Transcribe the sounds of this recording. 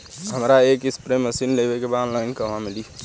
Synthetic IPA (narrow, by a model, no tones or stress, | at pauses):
ɦəmɾaeːkɪspɾeːməsinleːbekebaːd̪lãɪ̃ŋkəʋ̤ãmɪliː